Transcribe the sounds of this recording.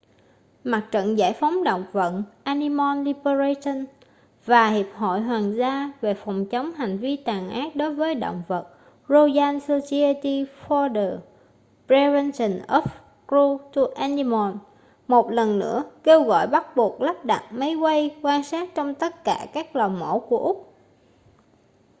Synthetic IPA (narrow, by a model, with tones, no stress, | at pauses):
ma˨˩t̚t͡ɕə̰˧˨nza̰ː˧˩jfa˨˦wŋ͡mɗo̰˧˨wŋ͡mvə̰˧˨nʔaː˧ni˧mɔ˧nli˧bə˧za˧sə˧n | vaː˨˩hi˨˩əp̚hɔ̰˧˨jɦwaː˨˩nzaː˧ve˨˩fɔ˨˩wŋ͡mt͡ɕə˨˦wŋ͡mɦa˨˩jŋ̟vi˧t̪aː˨˩ŋʔaː˦˥t̚ɗo˨˦jvəː˨˦jɗo̰˧˨wŋ͡mvə˨˩t̚ | ɹo˧jaː˧nso˧saː˧jə˧t̪i˧fɔ˧ɗə˨˩ | pɹɛ˧vɛ˧nsə˨˩nʔɔ˦˥f | kɹu˧t̪u˧ʔa˧ni˧mɔ˨˩n | mo˨˩t̚lə˨˩nːɨ̰˧˥əke˧wɣɔ̰˧˨jɓa˦˥t̚ɓu˨˩ək̚lə˦˥p̚ɗa̰˨˩t̚mə˨˦jkə˧jkwaː˧nsaː˦˥t̚t͡ɕɔ˧wŋ͡mt̪ə˦˥t̚kaː˧˩kaː˦˥k̚lɔː˨˩wmo˧˥ku˧˩əʔʊ˦˥k͡p̚